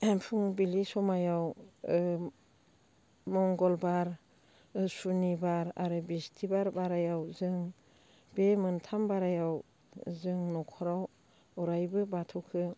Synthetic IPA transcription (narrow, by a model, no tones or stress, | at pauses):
empʰuŋbilisɔmajaw | mɔŋɡɔlbaɾ | sunibaɾa̰ɾɯbistʰibaɾbaɾajawzɯŋ | bemɯntʰambaɾajaw | zɯŋnɔkʰɔɾaw | ɔɾajbɯbatʰɔkʰɯ